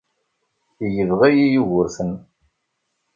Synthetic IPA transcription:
ijəvʁæjijuʝʊɾθən

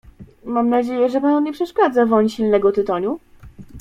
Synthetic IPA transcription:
mamnad͡ʑejɛʐɛpanɔɲɛpʂɛʂkad̪zavɔɲɕilnɛɡɔt̪ɘt̪ɔɲu

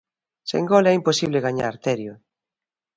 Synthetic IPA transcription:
sḛŋɡɔlɛimposiβleɣaɲa̰ɾt̪ɛɾjo

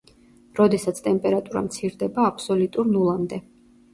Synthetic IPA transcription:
ɾɔd̪ɛsat̪sʰt̪ʼɛmpʼɛɾat̪ʼuɾa̰mt̪sʰiɾd̪ɛbaːpʰsɔlut̪ʼuɾnulˠamd̪ɛ

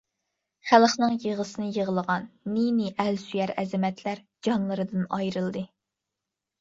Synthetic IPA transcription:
χælˠχnɨŋjeʁəsɨnɨjəʁəlˠəʁɑnːiniʔælsyjæɾɛzɪmɛt̪ʰlæɾ | d͡ʒɑnlˠɨɾɨd̪ɨnɑjɾɨlˠd̪ɨ

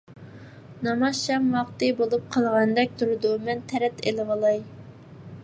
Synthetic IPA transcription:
nɑmɑʃɑmwɑqt̪ɨbolˠup̚qʰɑlˠʁɑnd̪ɛk̚ʲt̪ʰuɾɨd̪umɛnt̪ʰɛɾɛt̪ʰelɪʁɑlˠɑj

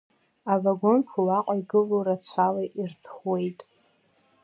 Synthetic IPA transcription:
avaɡo̞nkʰulaqʼaiɡɨloɾat͡ɕʷʰalaʔirtʰχwe̞jtʼ

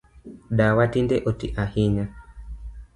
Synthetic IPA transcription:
ɗawatindɛʔɔtiʔahiɲa

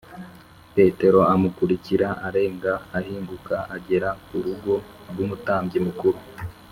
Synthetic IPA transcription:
pe̞te̞ɾo̞amukuɾiciɾaʔaɾe̞ːŋɡaːɦiːŋɡukaʔaɟe̞ɾakuɾuɡo̞ | ɾɡumutaːmbɟimukuɾu

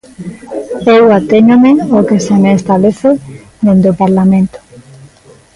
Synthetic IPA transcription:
ewat̪eɲomeokesemeːst̪aβleθe | d̪end̪opaɾlamẽnt̪o̥

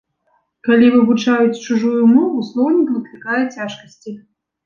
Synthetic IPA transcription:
kalʲivɨvut͡ʂajut͡sʲt͡ʂuʐujumɔvuslˠɔwnʲikvɨklʲikajɛt͡sʲaʂkɐsʲt͡sʲi

